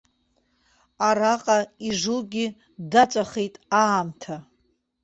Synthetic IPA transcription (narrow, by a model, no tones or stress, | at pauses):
aɾaqʼaiʐuɡʲi | dat͡ʃʷʼaχejtʼaːmtʰa